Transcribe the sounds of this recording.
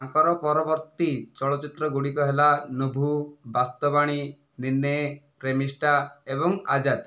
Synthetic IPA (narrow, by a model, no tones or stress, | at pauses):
aŋkɔɾɔpɔɾɔbɔɾt̪it͡ʃɔɭɔt͡ʃit̪ɾɔɡuɽikɔɦelanobʱubast̪ɔbaɽ̃i | ninːepɾemisʈaebɔŋad͡ʒad̪